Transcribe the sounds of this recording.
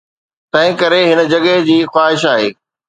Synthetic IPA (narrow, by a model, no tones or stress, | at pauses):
t̪ɐ̃ɦɪ̃kɐɾeɦɪnə̆d͡ʑɐɡəɦd͡ʑiːxwaːɦɪʃ̬aːɦḛː